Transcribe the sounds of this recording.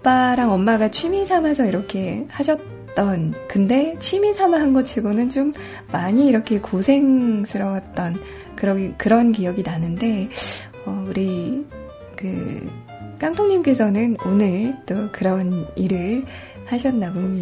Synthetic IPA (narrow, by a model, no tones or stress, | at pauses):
p͈aɾaŋʌmmːaɡat͡ɕʰɥimisʰamasʰʌiɾʌkʰe̞haɕʰʌt̚ | t͈ʌnkɯnde̞t͡ɕʰɥimisʰamaɦanɡʌt͡ɕʰiɡonɯnt͡ɕomː | aɲiːɾʌkʰe̞kosʰe̞ŋs͈ʰɯɾʌwat̚t͈ʌn | kɯɾʌkɯɾʌnkijʌɡinanɯnde̞ | ʌuɾi | kɯ̰ | k͈aŋtʰoŋɲimk͈e̞sʰʌnɯnonɯɭt͈okɯɾʌniɾɯɭ | haɕʰʌnːaɡomɲi